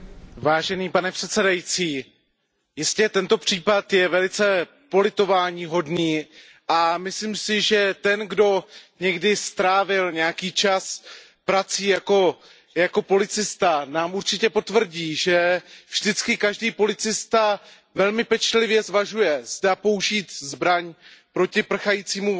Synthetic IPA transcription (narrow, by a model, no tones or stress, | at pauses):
vaːʒɛniːpanɛpr̝̥ɛt̪t͡sɛdajit͡siː | jɪscɛt̪ɛnt̪o̞pr̝̥iːpat̪jɛvɛlɪt͡sɛ | po̞lɪt̪o̞vaːɲiːɦo̞dniː | ʔamɪsliːmsɪʒɛt̪ɛnɡdo̞ɲɛɡdɪst̪ɾaːvɪlɲɛjakiːt͡ʃas | pɾat͡siːjako̞ | jako̞po̞lɪt͡sɪst̪anaːmuɾt͡ʃɪcɛpo̞t̪vr̩ɟiːʒɛvʒ̥dɪt͡skɪkaʒdiːpo̞lɪt͡sɪst̪a | vɛlmɪpɛt͡ʃlɪvjɛzvaʒujɛzdaːpo̞uʒiːt̪zbɾaɲpɾo̞cɪpr̩xajiːt͡siːmu